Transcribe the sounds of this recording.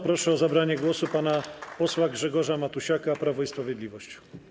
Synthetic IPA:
pɾɔʂɛɔzabɾaɲɛɡwɔsupanapɔswaɡʐɛɡɔʐamat̪uɕakapɾavɔispɾavʲjɛd̪lʲivɔɕt͡ɕ

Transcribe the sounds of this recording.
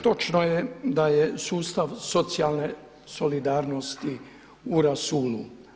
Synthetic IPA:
t̪o̞t͡ʃnojed̪ajesuːst̪aʋso̞t̪sialˠne | so̞lid̪aːɾnost̪i | uɾasuːlu

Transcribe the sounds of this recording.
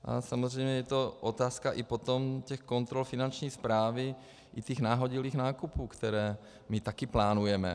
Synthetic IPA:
ʔa̰samozrɛjmɲɛjɛt̪oʔot̪aːskaʔɪpot̪omcɛxkont̪ɾolfɪnant͡ʃɲiːspɾaːvɪ | ʔɪt̪iːxnaːɦoɟiliːxnaːkupuːkt̪ɛɾɛː | mɪt̪akɪplaːnujɛmɛ̰

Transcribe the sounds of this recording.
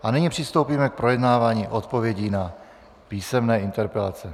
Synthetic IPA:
ʔaniɲipr̝̥ɪst̪owpiːmɛk̚pɾojɛdnaːvaːɲiːʔot̪povjɛɟiːna | piːsɛmnɛːɪnt̪ɛɾpɛlat͡sɛ

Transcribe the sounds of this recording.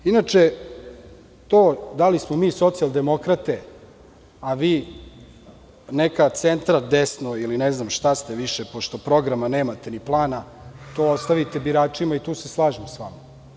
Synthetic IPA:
inat͡ʂe | t̪oːd̪alismomiːso̞t̪siald̪e̞mo̞kɾat̪e̞ | aʋiː | nekat̪sent̪ɾad̪esnoilineznamʃt̪ast̪e̞ʋiʃepo̞ʃt̪o̞pɾo̞ɡɾamaneːmat̪eniplˠaːna | t̪o̞ːost̪aʋit̪ebiɾaːt͡ʂimait̪uːseslˠaːʒimsʋa̰ma

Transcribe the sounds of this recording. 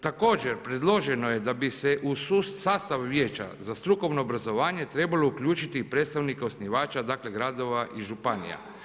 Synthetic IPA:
t̪ako̞ːd͡ʒeɾpɾe̞d̪lˠo̞ʒeno̞jed̪abiseʔususaːst̪aʋʋjeːt͡ʃa̰zast̪ɾuko̞ʋno̞ːbɾazo̞ʋaːɲe̞t̪ɾe̞balo̞ukʎuːt͡ʃit̪ipɾet̪st̪aʋnikeo̞sniʋaːt͡ʃad̪aːkle̞ɡɾad̪o̞ʋaʔiʒupanḭja̰

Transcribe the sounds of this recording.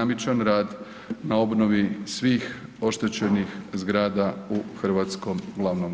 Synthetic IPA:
amit͡ʃanɾaːd̪ | nao̞bnoʋisʋiːxo̞ʃt̪et͡ɕe̞nixzɡɾaːd̪auxr̩ʋaːt̪sko̞mɡlˠaʋnom

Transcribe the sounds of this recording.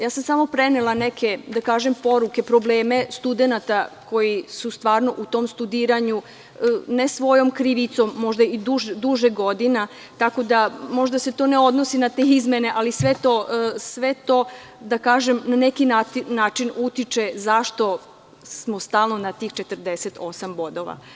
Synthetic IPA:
jaːsamsamo̞pɾenelˠanekʰe̞d̪akaːʒempo̞ɾuke̞pɾo̞bleːme̞st̪ud̪e̞nat̪ako̞jisust̪ʋaːɾno̞ʔut̪o̞ːmst̪ud̪iːɾaɲu | nesʋo̞jo̞mkɾiʋit̪somːo̞ʒd̪aid̪uʒd̪uʒeɡo̞d̪ina | t̪ako̞d̪amo̞ʒd̪aset̪o̞ne̞o̞d̪no̞sinat̪eizme̞ne̞ʔalisʋe̞t̪o̞sʋe̞t̪o̞ | d̪akaːʒemnane̞kinanaːt͡ʃinut̪it͡ʃe̞zaʃt̪o̞ | smo̞st̪aːlˠno̞nat̪iːxt͡ʃet̪əɾd̪eset̪ʰo̞sambo̞d̪o̞ʋa̰

